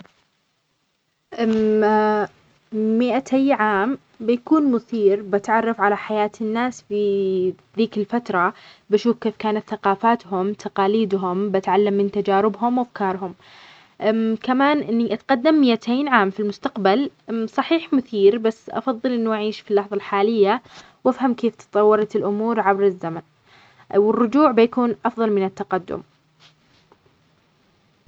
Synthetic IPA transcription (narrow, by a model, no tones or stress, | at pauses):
ʔ | mɪʔat̪ʰajːʕaːm | bɪjakuːnmʊθiːɾbɪt̪ʕɑrˤːɑfʕalaħajaːt̪ɪnːaːsfi | ðiːkɪlfat̪ɾˤɑbɪʃuːfkeːfkaːnat̪θaqɑːfaːt̪hʊmt̪ʰaqɑːliːd̪ɦʊmbɪt̪ʕalːamːɪnt̪ad͡ʒaːɾɪbɦʊmwafkɑːɾˤɦʊm | kamaːnʔɪnːiʔat̪qɑd̪ːamːɪjːat̪ʰeːnʕaːmfilmʊst̪aqbalsˤɑħiːħmʊθiːɾbasːʔɑ̰fɑðˤːɨlʔɪnːuʔaʕiːʃfilːɑħðˤɑlħaːlɪjːa | wʔafhamkeːft̪ɨ̥t̪ˤɑwːɑɾˤɑt̪ɪlʔʊmuːɾʕabɾɪzːaman | wɪrːʊd͡ʒuːʕbɪjakuːnʔɑfðˤɑlmɪnɪt̪ːaqad̪ːʊ̰m